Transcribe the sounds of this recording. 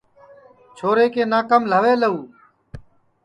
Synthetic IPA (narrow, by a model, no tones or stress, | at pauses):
t͡ʃʰoːɾeːkeːnaːkəmləʋeːləuː